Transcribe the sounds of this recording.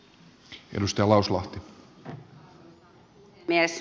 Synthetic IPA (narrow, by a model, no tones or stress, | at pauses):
ḛdust̪ɑjɑlɑuslɑht̪i | mies